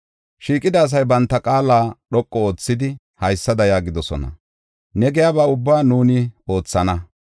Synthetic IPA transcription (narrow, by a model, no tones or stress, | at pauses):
ʃiːkʼːɪd̪ɐːs̬ɐjbɐnt̪ːɐkʼaːlaːɗɔkʼːɔoːt͡sːɪd̪ɪ | hɐjsːɐd̪ɐjaːɡɪd̪ɔsɔ̰nɐ̰ | nɛɡɛjabaʊbːaːnuːnɪo̞ːt͡sːɐnɐ